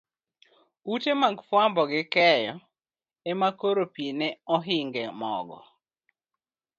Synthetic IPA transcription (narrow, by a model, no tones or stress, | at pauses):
utemaɡfwambɔɡɪkɛjɔ | ɛmakoɾopineɔɦɪŋɡɛmɔ̰ɡɔ̰